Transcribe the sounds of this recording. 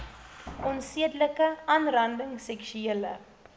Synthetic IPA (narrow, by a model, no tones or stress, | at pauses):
ʔɔnsiədləkəɐnrɐndəŋsɛkʃyeələ̰